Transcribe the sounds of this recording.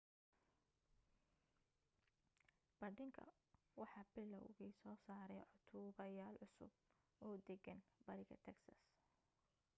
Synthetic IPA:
b̥ɐɖɪŋkʰɐ̰ | wɑħɑːbɪlːɐwɣiːsɔːsaːɾɛjʕʊt̪ʰʊbɐjaːlʕʊsʊ̰b̚ | ɔːd̪ɛɡɐnbɐɾɪɡɐ̰t̪ʰɛksɐs

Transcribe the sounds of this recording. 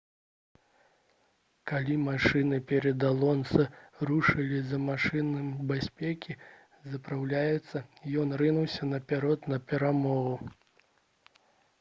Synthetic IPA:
kalʲimaʂɨnɨpʲɛɾʲɛd̪alˠɔnt̪sɐɾuʂɨlʲizɐmaʂɨnɨbʲasʲpʲekʲi | zɐpɾawlʲajɛt̪sːɐjɔnrɨnuwsʲɐnɐpʲaɾɔt̪nɐpʲɛɾamɔvu

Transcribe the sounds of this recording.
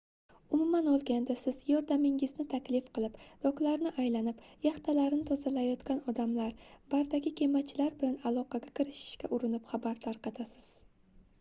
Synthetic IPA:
ʊmumanɒlˠɡʲand̪asɪz̥jɒɾd̪amɪŋɪznɪt̪ʰakʲlɪfqɨlˠɪpd̪̥ɒkʲlaɾnɪʔajlanɪpjaχt̪ʰalaɾnɪt̪ʰozalajɒt̪kʲanɒd̪amlaɾbaɾd̪aɡʲɪkʲʰe̞mat͡ʃʰɪlaɾbɪlanalˠɒqʰɑɡʲakʲʰɪɾɪʃɪ̥ʃkʲaʔʊɾɪnɪpχabaɾt̪ʰaɾqɑt̪ʰasɪz̥

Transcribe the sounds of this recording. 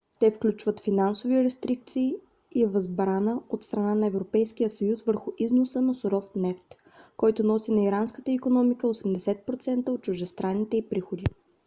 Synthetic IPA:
t̪ɛfklʲut͡ʃvət̪finansoviɾɛst̪ɾik̚t̪siː | ivɐzbɾanəot̪st̪ɾɐnanɐɛvɾopɛjsk̟ijəsɐjusvəɾxʊʔiznosənɐsoɾɔft̪nɛft̪ | kɔjt̪onɔsinɐiɾanskət̪əikonɔmikəosɛmd̪ɛsɛt̪̚pɾot̪sɛnt̪əot̪̚t͡ʃʊʒd̪ɛst̪ɾanːit̪ɛipɾixod̪i

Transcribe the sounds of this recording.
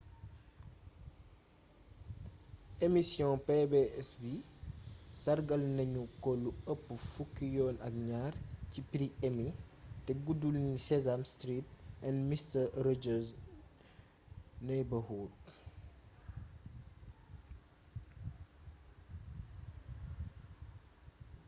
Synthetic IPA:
emisjɔ̃pebeɛsbi | sɐrɡɐlnɐɲukɔluəpːufukːijɔːnɐk̚ɲaːrcipɾiʔemitɛɡudulnisɛzamstɾit̚ɛnmistɐɾrɔd͡ʒɐɾs | nɐjbɐhuːt

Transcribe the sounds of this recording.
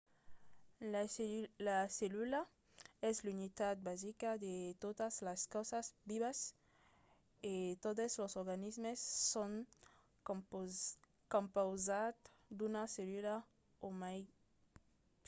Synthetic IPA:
laselula | ɛzlynit̪at̪̚bazikad̪et̪ot̪azlaskawzazbiβas | et̪od̪ezlosoɾɣanizmesːoŋ | kompawzat̪ | d̪unaselula | omaj

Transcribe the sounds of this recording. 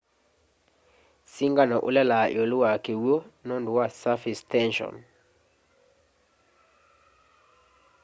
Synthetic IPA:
siŋɡanɔʔʊ̰lɛlaʔj̰olʊwakewonondʊwasafistɛnʃɔ̰n

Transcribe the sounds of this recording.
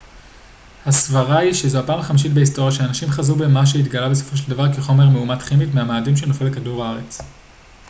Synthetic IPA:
hasvaʁaiʃezoapaːmaχamiʃit̪̚beisto̞ʁjaʃeanaʃimχazubemaʃ̬eit̪ɡalabe̞s̬ofo̞ʃ̬e̞ld̪avaʁkeχo̞me̞ʁmeumatχimitmeamaːdimʃenofulekaduʁaaʁe̞t͡s

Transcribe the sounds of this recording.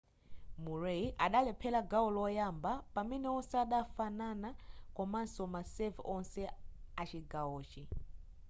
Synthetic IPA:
muɹeiʔaɗalɛpʰɛlaɡaɔlɔjambapamɛnɛɔnsɛaɗafananakɔmansɔmasɛvɛʔɔnsɛat͡ʃiɡaoːt͡ʃi

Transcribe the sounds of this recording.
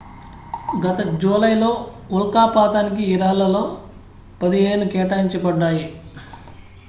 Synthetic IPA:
ɡɐt̪ɐd͡ʒoːlɐjlo̞ː | ulkaːpaːt̪aːnikiːɾaːlːɐlo̞ː | pɐd̪iɦeːnukɛːʈaːit͡ʃɐbɐɖːaːji

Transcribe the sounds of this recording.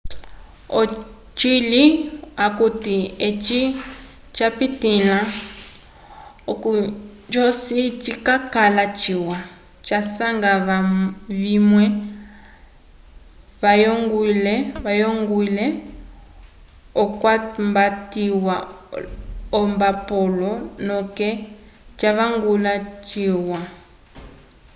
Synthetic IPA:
ɔ | t͡ʃiliakutiet͡ʃi | t͡ʃapitila | okud͡ʒɔsit͡ʃikakalat͡ʃiwa | t͡ʃasaŋɡaβaβimwɛ | βajɔŋɡwilɛβajɔŋɡwilɛ | ɔkwambatiwa | ɔmbapɔlɔnɔkɛt͡ʃaβaŋɡulat͡ʃiwa

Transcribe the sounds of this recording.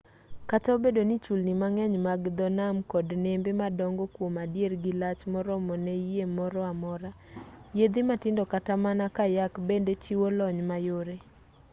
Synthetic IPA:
katɔbedonit͡ʃulnimaŋɛɲmaɡd̪ɔnamkɔdnembemadɔŋɡɔkwomadjerɡɪlat͡ʃmɔɾɔmɔnejemɔɾɔamɔɾa | jed̪imatɪndɔkatamanakajakbendet͡ʃiwolɔɲmajoɾe

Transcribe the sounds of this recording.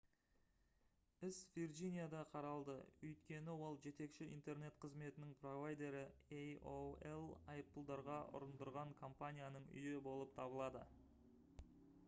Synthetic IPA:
ɪsvʲirʒijnʲijad̪ɑqʰɑɾɑlˠd̪ə̰ʏjt̪kʲe̞nɪwo̞lˠʒe̞t̪e̞kʃɪḭjnt̪e̞rne̞t̪̚qʰəzme̞t̪ɪnɪŋpro̞vajd̪e̞ɾɪejoelˠɑ̰jəp̚t̪əlˠd̪ɑɾʁɑʔʊ̰ɾənd̪əɾʁɑɴkʰo̞mpanʲijanəɴʏ̰jɪbo̞lˠəp̚t̪ʰɑbəlˠɑd̪ə

